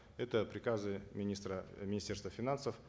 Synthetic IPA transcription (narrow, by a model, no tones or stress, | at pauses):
ɛt̪əpɾʲɪkazɨmʲɪnʲist̪ɾəmʲɪnʲɪsʲtʲe̞rst̪vəfʲɪnansəf